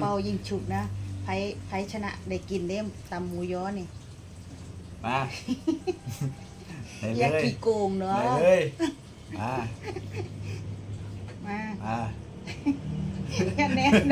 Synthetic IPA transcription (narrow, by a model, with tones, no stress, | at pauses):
pa˧˩wji˧˩ŋt͡ɕʰu˧˩k̚na˧˦˥pʰa˨˦˥jpʰa˧˦˥jt͡ɕʰa˧na̰˧˥ʔda˧˩jki˨˩nde˧˥˨mt̪a˨˩mːu˧˦jɔː˧˥ni˧˩ | maː˧˩ | a˧jaː˧kːi˧˩koː˧˩ŋnɔ˨˦˧ləː˧˥j | ʔaː˧˩ | maː˧˩maː˧˩ | jaː˧˩nɛ˧˥